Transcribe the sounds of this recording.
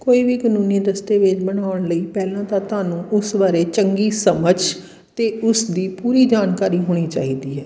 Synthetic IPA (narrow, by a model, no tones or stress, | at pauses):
koːiːbiːkənũːnẽːd̪əst̪eːʋɪt͡ʃbənaːʊɳləiːpɛːlãːt̪ãːt̪ʊaːnũːʔʊsʋaːɾeːt͡ʃəŋɡiːsəməd͡ʒ | t̪eːʊsd̪iːpuːɾiːd͡ʒaːnkaːɾiːɦoːɽ̃iːt͡ʃaːɦiːd̪iːɦɛː